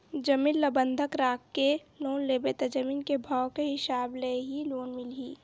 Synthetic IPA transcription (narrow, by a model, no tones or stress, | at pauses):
d͡ʒəmiːnləbə̃nd̪ʱəkɾaːkːe | loːnleːbet̪ed͡ʒɐmiːnkebʱaːwkeɦɪsaːbleɦiloːnmɪliː